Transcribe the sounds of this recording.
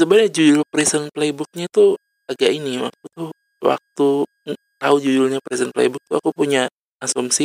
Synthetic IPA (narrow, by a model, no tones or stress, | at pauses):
səbaɲad͡ʒud͡ʒʊlpɾisənplebʊk̚ɲat̪u | aɡaʔinia̰kut̪ʊh | wa̰k̚t̪u | t̪aud͡ʒud͡ʒʊlɲapɾisənplḛbʊk̚t̪uakupuɲa | asɔmsi